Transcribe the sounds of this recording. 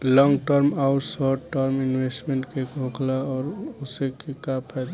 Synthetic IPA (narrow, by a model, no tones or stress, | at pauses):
lɔ̃ŋɡʈəɾmaʊʈsɔʈːəɾminwesʈmẽɳʈkekõklaɔːɾosekekapʰɛjd̪